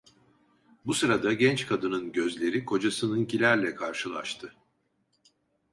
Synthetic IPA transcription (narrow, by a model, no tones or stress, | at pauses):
busɯɾad̪aɟɛnt͡ʃkʰad̪ɯnɯnɟøzlʲe̞ɾikʰo̞d͡ʒasɯnɯncʰilʲæɾlʲɛkʰaɾʃɯlˠaʃt̪ʰɯ